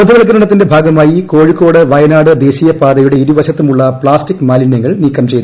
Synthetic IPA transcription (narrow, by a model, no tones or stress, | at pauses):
ɐd̪ʱuʋɐɭɐk̬ːɐɾɐɽɐt̪ːinde̞bʱaːɡɐmaːjiko̞ːɻikːo̞ːɽɨʋɐjɐnaːɽɨd̪e̞ːɕijɐpaːd̪ɐjuɽe̞iɾuʋɐɕɐt̪ːumuɭːɐpɭaːstikːmaːlinjɐŋːɐɭniːkːɐmt͡ɕe̞jt̪